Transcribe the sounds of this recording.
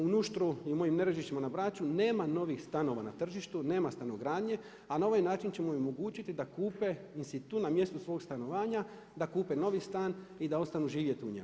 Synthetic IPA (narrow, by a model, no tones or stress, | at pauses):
unuʃt̪ɾuiumo̞jimneɾeʒiʃt̪imanabɾat͡ʃune̞ːmano̞ʋixst̪ano̞ʋa̰na̰t̪r̩ʒiʃt̪une̞ːmast̪anoɡɾaːd̪ɲe̞ | anao̞ʋajnaːt͡ʃint͡ɕe̞mojomoɡuːt͡ɕit̪id̪akuːpe̞inst̪it̪unamje̞st̪usʋo̞ːɡst̪ano̞ʋaːɲa | d̪akuːpeno̞ʋist̪aːn | id̪ao̞st̪anuʒiːʋje̞t̪uɲemu